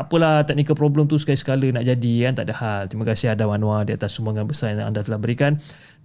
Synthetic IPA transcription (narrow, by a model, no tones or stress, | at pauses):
apəlaht̪ɛk̚nikapɾobləmt̪usə̥kaisə̥kalənaʔd͡ʒadikant̪a̰ʔdahalt̪ɾimakasiadawanũwadiat̪asumbaŋanbəsarjaŋa̰ndat̪əlahbəɾikan